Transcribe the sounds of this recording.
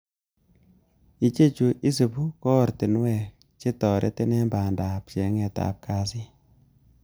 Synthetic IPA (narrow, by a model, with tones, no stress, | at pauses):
i˨t͡ʃe˦t͡ʃu˨ʔi˦se˨pu˦kɔ˦˨ɾte˨n˦wɛ˨ | t͡ʃe˦tɔ˨ɾʔɛ̰˦te˦nɛ˦mba˨nda˨p̚t͡ʃe˨˦ŋɛ˨ta̰˨p̚kʰa˦si˦